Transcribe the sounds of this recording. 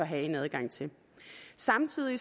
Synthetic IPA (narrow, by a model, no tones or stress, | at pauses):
ɒ̽ɦæe̝næð̞ˠɡ̥ɑ̈ŋ̰t͡sʰe̝l | sɑ̈mt͡sʰið̞̰ˠi